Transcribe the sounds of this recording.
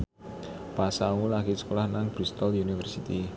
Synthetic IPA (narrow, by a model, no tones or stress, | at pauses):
pasawulaɡisə̥kolahnaŋb̥ɾist̪ɔlunifɛrsit̪i